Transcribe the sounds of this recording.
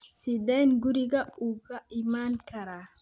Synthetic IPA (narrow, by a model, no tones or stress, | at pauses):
sɪd̪ɛːnɡʊɾɪɣɐuːɣɐʔɪmaːŋkʰɐɾaː